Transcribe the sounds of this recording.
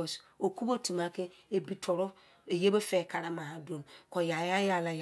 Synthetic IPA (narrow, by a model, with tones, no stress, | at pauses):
so˨ku˦bo˦tʰu˨ma˦ke˦e˨bi˨tʰɔ˨ɾʊ˦ | e˨je˦be˦fɛ˦˨kʰa˨ɾa˦mã˨ɦa˨dõ˨mkɔ˨ja˨ja˦ja˨la˨j